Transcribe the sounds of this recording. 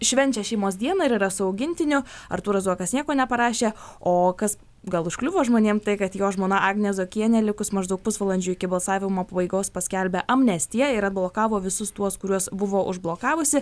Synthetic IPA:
ʃʲʋʲɛnʲt͡ʃʲɛʃʲɛɪmoːs̬d̪ʲiɛnɐɪɾiɾɐsʊɐʊɡʲɪnʲt̪ʲɪnʲʊɐɾt̪uːɾɐzuɔkɐsnʲiɛkoːnʲɛpɐɾɑːʃʲeːoːkɐs | ɡɐlˠʊʃklʲʊʋoːʒmoːnʲeːmt̪ɐɪkɐt̪joːʒmoːnɐɑːɡnʲɛzoːkʲiɛnʲɛlʲɪkʊsmɐʒd̪ɐʊk̚pʊsʋɐlˠɐnʲd͡ʒʲʊɪkʲɪbɐlˠsɑːʋʲɪmoːpɐbɐɪɡoːspɐsʲkʲɛlʲbʲɛʔɐmnʲɛsʲt̪ʲɪjɛɪɾɐd̪̚blˠoːkɑːʋoːʋʲɪsʊst̪uɔskʊɾʲuɔsbʊʋoːʔʊ̰ʒblˠoːkɑːʋʊsʲɪ

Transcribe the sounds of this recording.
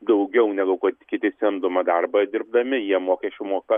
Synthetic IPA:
d̪ɐʊɡʲɛʊnʲɛɡʊkɐt̪kʲɪt̪ʲɪsʲɛnd̪ʊmɐd̪ɐrbɐd̪ʲɪɾb̚d̪ɐmʲɪjiɛmoːkʲɛsʲt͡ʃʲʊmoːkɐ

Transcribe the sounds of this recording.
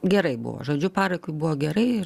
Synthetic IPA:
ɡʲɛɾɐɪbʊ̰ʋo̰ːʒoːd͡ʒʲʊpɑːɾɐɪkʊɪbʊʋoːɡʲɛɾɐɪɪr

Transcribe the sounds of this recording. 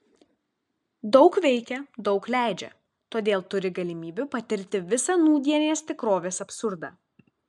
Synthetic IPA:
d̪ɒʊkʋʲɛɪkʲɛd̪ɒʊklʲæˑɪd͡ʒʲɛ̰ | t̪oːd̪ʲeːlˠt̪ʊɾʲɪɡɐlʲɪmʲiːbʲʊpɐt̪ʲɪɾʲt̪ʲɪʋʲɪsɐnuːd̪ʲiɛnʲeːst̪ʲɪkɾoːʋʲeːsɐpsʊɾd̪ɑː

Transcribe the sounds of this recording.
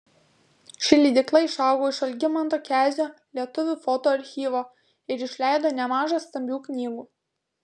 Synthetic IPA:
ʃʲɪlʲid̪ʲɪklˠɐɪʃɑˑʊɡoːɪʃɐlʲɡʲɪmɐnt̪oːkʲæːzʲoːlʲiɛt̪ʊʋʲufot̪oːɐɾʲxʲiːʋoː | ɪɾɪʃʲlʲæɪd̪oːnʲɛmɑːʒɐst̪ɐmʲbʲuːknʲiːɡuː

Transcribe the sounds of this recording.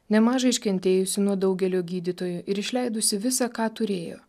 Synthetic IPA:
nʲɛmɑːʒɐɪʃʲkʲɛnʲt̪ʲeːjʊsʲɪnuɔd̪ɐʊɡʲɛlʲoːɡʲiːd̪ʲɪt̪oːjʊʔɪɾɪʃʲlʲɛɪd̪ʊsʲɪʋʲɪsɑkɑːt̪ʊɾʲeːjo̰ː

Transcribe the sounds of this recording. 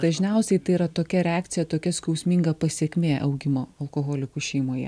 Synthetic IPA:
d̪ɐʒʲnʲɛˑʊsʲɛɪt̪ɐɪiɾɐt̪oːkʲɛɾʲɛaːk̚t̪sʲɪjɛt̪oːkʲɛskɐʊsʲmʲiŋɡɐpɐsʲiɛkʲmʲeːʔɐ̰ʊɡʲɪmoːɐlˠkoːɣoːlʲɪkʊʃʲɛɪmoːjɛ̰

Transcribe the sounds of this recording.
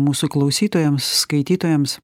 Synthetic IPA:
muːsʊklˠɐʊsʲiːt̪oːjɛmsːkɐɪt̪ʲiːt̪oːjɛms

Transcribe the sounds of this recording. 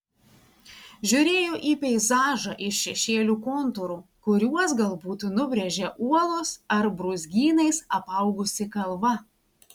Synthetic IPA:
ʒʲʊɾʲeːjoːʔiːpʲɛɪzɑːʒɑʔɪʃʃʲɛʃʲeːlʲuːkoːnt̪ʊɾuːkʊɾʲuɔsɡɐlˠbuːt̪nʊbʲɾʲɛʒʲɛʔuɔlˠoːsɐɾbɾʊzʲɡʲiːnɐɪsɐpɐʊɡʊsʲɪkɐlˠʋɐ

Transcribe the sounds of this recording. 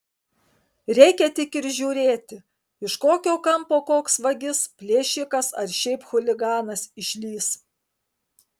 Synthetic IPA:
ɾʲɛɪkʲɛt̪ʲɪkɪɾʒʲuːɾʲeːt̪ʲɪ | ɪʃkoːkʲoːkɐmpoːkoːksʋɐɡʲɪspʲlʲeːʃʲɪkɐsɐɾʃʲɛɪpxʊlʲɪɡɑːnɐsɪʃʲlʲiːs

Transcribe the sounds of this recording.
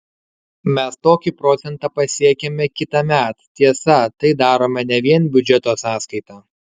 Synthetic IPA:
mʲɛst̪oːkʲiːpɾɔt̪sʲɛnt̪ɑːpɐsʲiɛkʲemʲɛkʲɪt̪ɐmʲæˑt̪t̪ʲiɛsɐt̪ɐɪd̪ɑːɾoːmʲɛnʲɛʋʲiɛnbʲʊd͡ʒʲɛt̪oːsɑːskɐɪt̪ɑː

